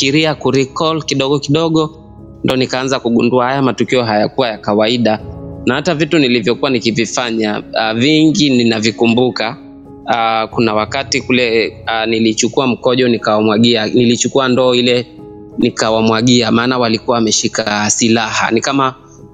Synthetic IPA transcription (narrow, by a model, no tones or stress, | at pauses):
kiɾiakuɾikɔlkiɗɔɠɔkiɗɔɠɔ | ndɔnikaanzakuɠunduahajamatukiɔɦajakuwajakawaiɗanahatavitunilivjɔkuwanikivifaɲaviŋɡininavikumbuka | kunawakatikulɛnilit͡ʃukuam̩kɔʄɔnikawamwaɠianilit͡ʃukuandɔːilɛ | nikawamwaɠiamaːnawalikuwawamɛʃikasilaha̰nikama